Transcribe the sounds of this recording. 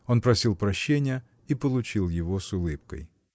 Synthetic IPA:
o̞npɾɐsʲilˠpɾɐɕːenʲɪjə | ipəlˠʊt͡ɕilˠjɪvosʊlˠɨpkə̰j

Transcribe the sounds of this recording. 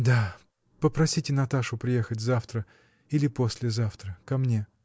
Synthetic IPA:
d̪a | pəpɾɐsʲitʲɪn̪ɐt̪aʂʊpɾʲɪjexətʲzaft̪ɾə | ilʲɪposʲlʲɪzaft̪ɾəkɐmnʲe̞

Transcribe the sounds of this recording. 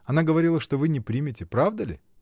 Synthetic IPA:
ɐnaɡəvɐɾʲilˠəʂt̪ovɨnʲɪpɾʲimʲɪtʲɪpɾavd̪əlʲɪ̰

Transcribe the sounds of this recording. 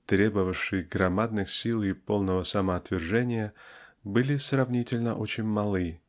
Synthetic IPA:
t̪ɾʲe̞bəvəʂɨjɡɾɐmad̪nɨxsʲilˠɪpo̞lˠnəvəsəməɐt̪vʲɪrʐɛnʲɪjəbɨlʲɪsrɐvnʲitʲɪlʲnə̰ʔot͡ɕɪnʲmɐlˠɨ

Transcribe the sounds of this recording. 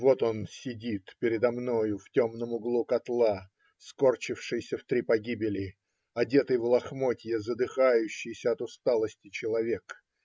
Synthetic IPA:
vo̞t̪o̞nsʲɪdʲit̪pʲɪɾʲɪd̪ɐmno̞jʊftʲo̞mnəmʊɡlˠukɐt̪lˠa | sko̞rt͡ɕɪfʂɨjsʲəft̪ɾʲipɐɡʲibʲɪlʲɪ | ɐdʲe̞t̪əjvlˠɐxmo̞tʲjəzəd̪ɨxajʉɕːɪjsʲəɐt̪ʊst̪alˠəsʲtʲɪt͡ɕɪlˠɐvʲe̞k

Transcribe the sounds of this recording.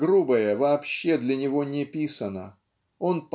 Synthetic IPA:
ɡɾubəjəvɐːpɕːe̞d̪lʲɐnʲɪvo̞nʲɪpʲisənə̰ | o̞np

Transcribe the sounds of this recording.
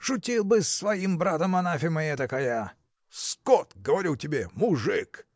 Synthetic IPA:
ʂʊtʲilˠbɨsːvɐimbɾat̪əmɐnafʲɪmɐjɛt̪ɐkaja | skɔt̪ɡəvɐɾʲutʲɪbʲemʊʐɨk

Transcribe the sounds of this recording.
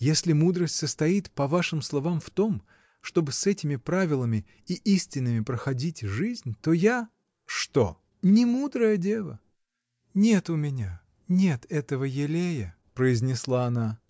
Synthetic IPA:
jesʲlʲɪmud̪ɾəsʲtʲsəst̪ɐit̪pɐvaʂɨmslˠɐvamft̪o̞m | ʂt̪o̞bɨsɛtʲɪmʲɪpɾavʲɪlˠəmʲɪ | iʔisʲtʲɪnːɨmʲɪpɾəxɐdʲitʲʐɨzʲnʲt̪o̞ja | ʂt̪o | nʲɪmud̪ɾəjədʲe̞lˠə̰ | nʲe̞t̪ʊmʲɪnʲa | nʲe̞t̪ɛt̪əvəjɪlʲejə | pɾəɪzʲnʲɪslˠaːna

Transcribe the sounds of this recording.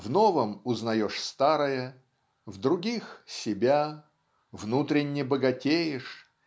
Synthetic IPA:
vnovəmʊznɐjoʂst̪aɾəjə | vd̪ɾʊɡʲixsʲɪbʲa | vnut̪ɾʲɪnʲːɪbəɡɐtʲejɪʂ

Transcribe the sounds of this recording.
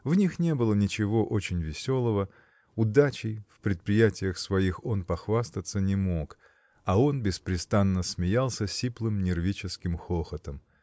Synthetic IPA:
vnʲixnʲe̞bɨlˠənʲɪt͡ɕɪvo̞ʔo̞t͡ɕɪnʲvʲɪsʲo̞lˠəvə | ʊd̪at͡ɕɪjfpɾʲɪt̪̚pɾʲɪjætʲɪjəxsvɐixo̞npɐxvast̪ət̪sənʲɪmo̞k | ɐo̞nbʲɪspɾʲɪst̪anːəsmʲɪjalˠsʲəsʲiplˠɨmnʲɪrvʲit͡ɕɪskʲɪmxoxət̪əm

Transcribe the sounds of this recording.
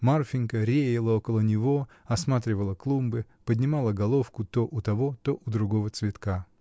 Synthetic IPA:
marfʲɪnʲkəɾʲejɪlˠəo̞kəlˠənʲɪvo̞ | ɐsmat̪ɾʲɪvəlˠəklˠumbɨpədʲnʲɪmalˠəɡɐlˠo̞fkʊt̪oʔʊt̪ɐvo̞t̪o̞ʔʊd̪ɾʊɡo̞vət̪svʲɪt̪ka

